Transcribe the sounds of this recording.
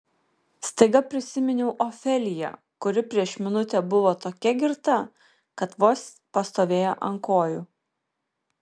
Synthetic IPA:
st̪ɐɪɡɐpʲɾʲɪsʲɪmʲɪnʲɛʊʔɔfʲɛlʲɪjɛ̰ | kʊɾʲɪpʲɾʲiɛʃmʲɪnʊt̪ʲɛbʊʋoːt̪oːkʲɛɡʲɪɾt̪ɐ | kɐt̪ʋoːs | pɐst̪oːʋʲeːjo̰ʔɐŋkoːjuː

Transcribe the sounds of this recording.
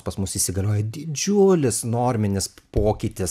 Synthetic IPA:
pɐsmʊsiːsʲɪɡɐlʲoːjɛd̪ʲɪd͡ʒʲʊlʲɪsnoːɾʲmʲɪnʲɪspoːkʲɪt̪ʲɪs

